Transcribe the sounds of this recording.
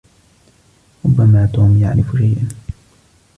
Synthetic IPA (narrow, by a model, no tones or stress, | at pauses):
ɾʊbːamaːt̪uːmja̰ʕɾɪfʃajʔan